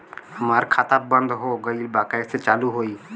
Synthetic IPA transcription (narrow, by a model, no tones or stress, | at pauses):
həmaːɾkʰaːt̪abə̃nd̪ɦoɡəilbaːkaeset͡ʃaːluɦoi